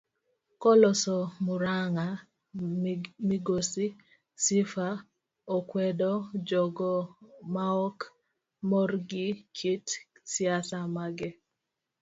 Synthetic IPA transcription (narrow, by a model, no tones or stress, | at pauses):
kɔlɔsɔmuɾaŋa | miɡosi | sifa | ɔkwɛdɔd͡ʒɔɡɔmaɔk | mɔrɡɪkʰitsjasamaɡɛ